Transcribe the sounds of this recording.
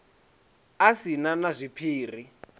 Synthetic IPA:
asinanazʷipʰiːr̤i

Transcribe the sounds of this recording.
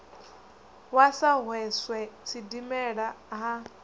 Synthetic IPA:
wasaɦwɛswɛt͡sʰidimɛɺaɦa

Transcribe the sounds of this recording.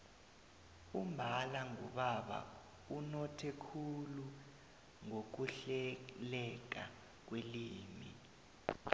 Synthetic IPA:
umbʱalaŋṵɓaɓa̰ | unɔtʰɛkʰulu | ŋok̬uɬɛlɛk̬a | k̬weliːmi

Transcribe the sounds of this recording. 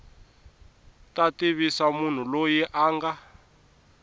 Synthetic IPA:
tatiβisamun̤ulojiʔaːŋɡa

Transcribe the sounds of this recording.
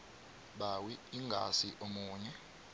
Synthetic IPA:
ɓawiiŋɡʱa̰siʔomuːɲɛ

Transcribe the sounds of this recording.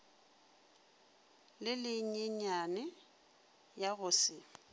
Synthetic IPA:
lɪlɪɲ̩ɲeɲanɛ | jaɣʊsɪ

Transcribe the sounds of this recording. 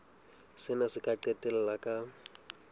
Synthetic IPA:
sɪnasɪkʼaǃɛtʼɛl̩lakʼa

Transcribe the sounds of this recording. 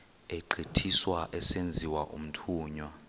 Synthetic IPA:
eǃʱitʰiswaʔɛsend͡zʱiwaʔṵm̩tʰuːɲwa

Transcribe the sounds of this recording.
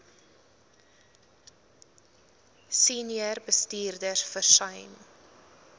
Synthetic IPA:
siniərbəstiːrdərfərsɐjn

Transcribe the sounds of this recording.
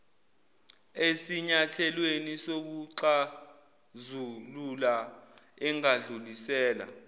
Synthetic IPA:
esiɲatʰɛlwenisok̬uǃa | zulula | ɛŋaɮulisɛːla̰

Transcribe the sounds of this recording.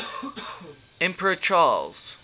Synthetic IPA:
ɛ̃mpəɹət͡ʃʰɑlˠz̥

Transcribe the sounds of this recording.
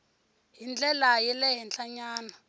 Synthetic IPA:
ɦind͡ɮʼɛlajɛlɛɦɛnt͡ɬɬaɲaːna

